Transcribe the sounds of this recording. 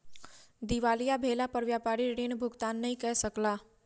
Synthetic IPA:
d̪iʋalijabʱelapəɾʋjapaɾiɾinbʱʊɡt̪anːəĩkɛɦsəkla

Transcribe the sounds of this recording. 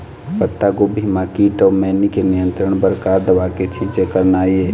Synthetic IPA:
pət̪ːaɡobʱimãkiʈɔmɛnikenijənt̪ɾəɳ̃bəɾkaɾd̪əʋaket͡ʃʰĩt͡ʃekəɾnaje

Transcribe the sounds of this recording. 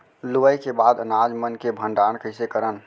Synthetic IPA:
luʋəjkebad̪ənad͡ʒmənkebʱəɳɖañkəɪsekəɾən

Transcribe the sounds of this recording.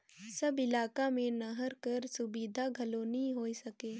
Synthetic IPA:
sɐbɪlaːkamẽnɐɦəɾkɐɾsʊbiːd̪ʱaɡʱɐloːnĩɦoːisɐkeː

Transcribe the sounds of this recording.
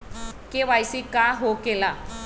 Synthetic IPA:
keʋajsikaɦokela

